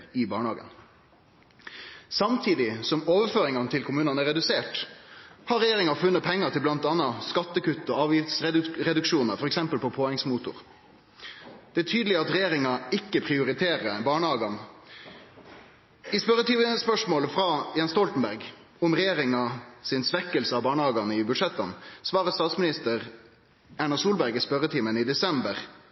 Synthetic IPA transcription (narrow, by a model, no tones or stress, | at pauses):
ɪbɑːɳəhɑːɡə̰n | sɑmt̪ʰiːd̪ɪsɔmoːʋəɾføːɾɪŋɑnət̪ʰɪlkʰʊmʉːnɑnæɾɛd̪ʉseːʈ | hɑɾɛjeːɾɪŋɑfʉnːəpʰɛŋːɑt̪ɪlblɑnt̪ɑnːɑskɑt̪ːəkʉt̪ːɔɑːʋjɪft̪sɾɛd̪ʉkʃuːnəɾfɔɾɛksɛmpəlpʰɔpʰoːɛŋsmuːt̪ʊ̰ɾ | d̪̥ɛæʈʰyːd̪l̩ɪɑt̪ʁɛjeːɾɪŋɑɪkːəpʰʁɪʊɾɪt̪ʰeːʁəbɑːɳəɑːɡɑn | ɪspœʁət̪ʰiːməəspœʂmoːləfʁɑjɛnst̪ɔlt̪n̩bæʁɡ | ʊmʁɛjeːʁɪŋɑsɪnsʋɛkːəlsəɑbɑːɳəɑːɡɑnəɪbʉd̪ʂɛt̪ːɑnsʋɑːʁəst̪ɑːt̪smɪnɪst̪əʁ | ʔæɳɑsuːlbæʁɡɪspœʁət̪ʰiːmənɪd̪ɛsɛmbəʁ